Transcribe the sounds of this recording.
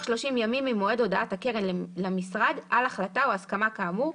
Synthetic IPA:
ʃlo̞ʃimjamimimoe̞do̞daathakeʁenlamisʁadalaχlataoaskamakamu

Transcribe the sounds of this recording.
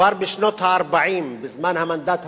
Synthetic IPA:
aɾbiʃnɔt̪ʰaːɾbaʕimbɪzmanhamand̪at̪ʰ

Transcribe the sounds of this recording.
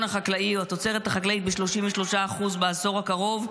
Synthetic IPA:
naχaklaiat̪o̞t͡se̞ʁet̪haχaklait̪̚beʃlo̞ʃimveʃlo̞ʃaːχuzbeazo̞ʁakaʁo̞v

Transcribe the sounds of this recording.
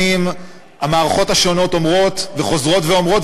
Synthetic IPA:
im | amaːʁaχo̞thaʃo̞no̞to̞mʁo̞tveχo̞zʁo̞tveo̞mʁo̞t

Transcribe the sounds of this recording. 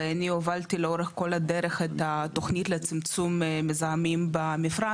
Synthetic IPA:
aniovalt̪ileoɾeχko̞lad̪eɾeχet̪at̪oχnit̪let͡simt͡summezaamimbamifɾa

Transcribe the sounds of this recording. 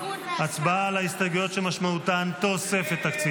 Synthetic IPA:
at͡sbaalaist̪aɡujo̞tʃemaʃmaut̪ant̪o̞sefet̪ːakt͡si

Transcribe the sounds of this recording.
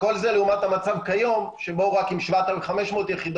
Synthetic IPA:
ko̞lzeleumat̪hamat͡savkajo̞mʃe̞bo̞ʁakimʃvat̪aivχame̞ʃmo̞ːt̪jeχid̪o

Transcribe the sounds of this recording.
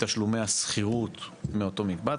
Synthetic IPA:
t̪aʃlumejasχiʁut̪meo̞t̪o̞mik̚ba

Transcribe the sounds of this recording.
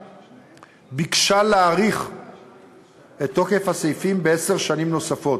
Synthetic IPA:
bikʃaleːʁiχ | e̞t̪ːo̞ke̞fhasejfimbeese̞ʁʃanimno̞safo̞t

